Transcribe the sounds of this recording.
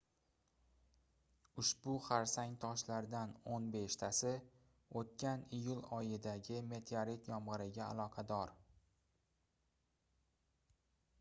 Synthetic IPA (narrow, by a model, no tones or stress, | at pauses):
ʊʃbʊχaɾsaŋt̪ʰɒʃlaɾd̪anonbe̞ʃt̪ʰasɪ | ot̪̚kʲanijʊlˠɒjɪd̪aɡʲɪme̞t̪ʰeaɾit̪jɒmʁɨɾɪɡʲa̰ːlˠɒqʰɑd̪ɒɾ